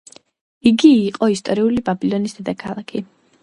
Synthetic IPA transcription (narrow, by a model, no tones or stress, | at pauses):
iɡiːqʼɔist̪ʼɔɾiulibabilˠɔnisd̪ɛd̪akʰalˠakʰi